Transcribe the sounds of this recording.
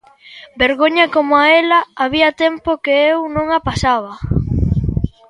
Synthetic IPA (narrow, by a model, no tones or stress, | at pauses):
beɾɣoɲɐkomoaelɐaβiɐt̪empokeewnõŋapasaβɐ